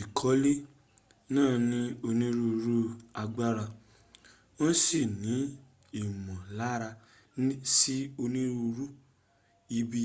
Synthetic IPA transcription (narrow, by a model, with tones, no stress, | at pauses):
i˨kʰɔ˨˦le˦ | nãː˦˨nĩ˦o˧nĩ˦ɾu˧ɾu˦a˧ɡ͡ba˦ɾa˧ | o˦si˦˨nĩ˨˦ | i˨mɔ̃˨la˨˦ɾa˧˦ | si˦o˧nĩ˦ɾu˧ɾu˦ | i˧˦bi˧